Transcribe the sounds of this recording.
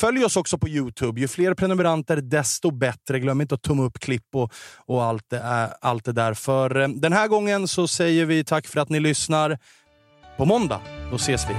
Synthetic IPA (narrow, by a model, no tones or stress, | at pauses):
fœljɔsɔksɔpʰɔjʉ̟ːt̪ʰʉːbjɵfleːɾpʰɾɛnɵmɛɾant̪əɾd̪ɛst̪ɔbɛt̪ɾəɡlœmːəɪnt̪əɔt̪ʰːɵmːaɵpːkʰlɪpːɔɔalt̪̚d̪ɛæalt̪̚d̪ɛd̪æːɾfœɾd̪ɛnɦæːɾɡɔŋːənsɔsɛjːəɾvɪt̪ʰakːfœɾat̪nɪlʏsnaɾ | pʰɔmɔnd̪a̰d̪ɔseːsvɪ